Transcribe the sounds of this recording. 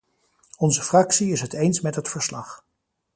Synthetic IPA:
ɔnzəfrɑksiɪsɦətejnsmɛtɦətfəɹslɑχ

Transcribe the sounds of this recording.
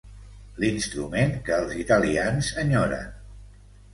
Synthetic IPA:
linst̪ɾumenkəːlˠzit̪əlianzəɲɔɾə̰

